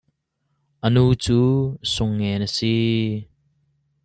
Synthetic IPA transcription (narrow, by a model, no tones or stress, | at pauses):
ʔənut͡susʊŋːenəsi